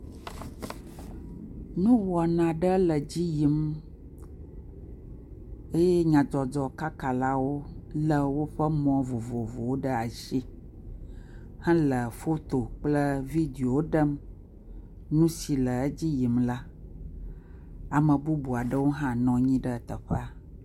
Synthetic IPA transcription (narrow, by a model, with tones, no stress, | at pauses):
nũ˦wɔ˨nã˨ɖə˦lə˨d͡ʑi˦ji˨˦m | e˦je˦ɲã˨d͡ʒɔ˨d͡ʒɔ˨ka˦ka˨la˦wo˦lə˨wo˦ɸə˦mɔ̃˨vo˨vo˨vo˨wo˦ɖə˦a˨ʃi˦ | hɛ̃˦lə˨fo˦t̪o˨k͡plə˦vi˦d̪i˨o˨wo˦ɖə˦m | nũ˦si˨lə˨˦d͡ʑi˦ji˨mla˦ | a˨mə̃˨bu˦bu˨a˨ɖə˦wo˦ɦã˦nɔ̃˨ɲĩ˦ɖə˦˨t̪ə˨ɸə˦a˨